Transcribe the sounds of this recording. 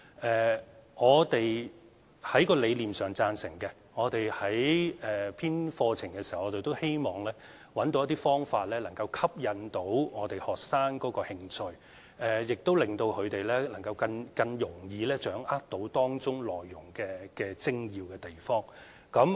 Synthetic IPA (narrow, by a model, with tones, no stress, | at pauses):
ʔɛː˨˩ŋɔː˨˧t̪e˨j | hɐ˨˥jkɔː˧le˨˧jliː˨˩msœː˨˩ŋt͡saː˧nsɪ̰˨˩ŋkɛ˧ | ŋɔː˨˧t̪e˨jhɐ˨˥jɛː˨pʰiː˥nfɔː˧t͡sʰɪ˨˩ŋkɛ˧si˨˩hɐ˨wːt̪e˨jt̪o˥whe˥jmɔː˨˩ŋlɛː˥ | wɐ˨˥nt̪o˧wjɐ˥t̪̬iː˥fɔː˥ŋfaː˧t̚lɛː˥lɐ˨˩ŋkɐ˧wkʰɐ˥p̚jɐ˨˧nt̪o˨˥wŋɔː˨˧t̪e˨jhɔː˨k̚saː˥nkɔː˨˥kɔː˧hɪ˧ŋt͡sʰɵ˧ɥ | ɛː˨˩jɪ˨k̚t̪o˥wlɪ˨˩ŋt̪o˧wkʰɵ˨˧ɥt̪e˨jlɛː˥lɐ˨˩ŋkɐ˧wkɐ˧nkɐ˧ŋjʊ˨˩ŋjiː˨˧lɛː˥t͡ʃœː˨˥ŋʔa˥k̚t̪o˨˥wt̪ɔː˥ŋt͡ʃʊ˥ŋlɔː˨jːʊ˨˩ŋkɛː˧kɛː˧t͡sɪ˥ŋjiː˨˧wkɛː˧t̪e˨˩jfɔː˥ŋ | kɐ˨˥m